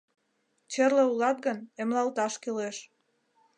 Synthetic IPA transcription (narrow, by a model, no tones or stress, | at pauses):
t͡ɕerləulɑt̪̚ɡənemlɑlt̪ɑʃkeleʃ